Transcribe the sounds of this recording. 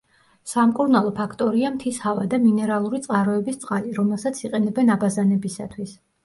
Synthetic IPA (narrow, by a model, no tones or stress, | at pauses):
samkʼuɾnalˠɔpʰakʰt̪ʼɔɾiamt̪ʰishavad̪aminɛɾalˠuɾit̪sʼqʼaɾɔɛbist̪sʼqʼaliɾɔmɛlˠsat̪sʰiqʼɛnɛbɛnabazanɛbisa̰t̪ʰwis